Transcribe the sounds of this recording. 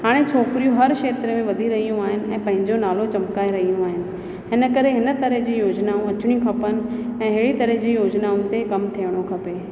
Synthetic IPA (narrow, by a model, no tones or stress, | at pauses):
ɦaːɽ̃et͡ɕʰoːkɾijũɦɐɾʃeːt̪ɾəmẽʋɐd̪ʱiɾɐɦijũaːɦɪnɪ̆ɛ̃ːpɐ̃ɦɪ̃ɲd͡ʑonaːlot͡ɕɐmkaːeɾɐɦijũaːɦɪnɪ̆ | ɦɪnə̆kɐɾeɦɪnə̆t̪ɐɾəɦd͡ʑiːjoːd͡ʑnaũɐt͡ɕʊɽ̃iũkʰɐpənɪ̆ɛ̃ːɦɪːɽit̪ɐɾəɦd͡ʑiːjoːd͡ʑnaũt̪ekɐmt̪ʰijəɽ̃okʰɐpeː